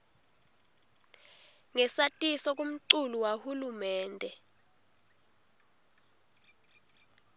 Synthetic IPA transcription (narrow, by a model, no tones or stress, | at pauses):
ŋɛsatʼisɔk̬ʼum̩ǀuluwahulumɛːndʱɛ